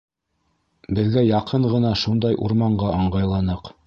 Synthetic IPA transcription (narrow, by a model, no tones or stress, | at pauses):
bɘ̆ðɡæjɑqʰɤɴʁɤ̆nɑʃund̪ɑjʔṵɾmɑɴɢɑʔɑɴɢɑjlˠɑnɤq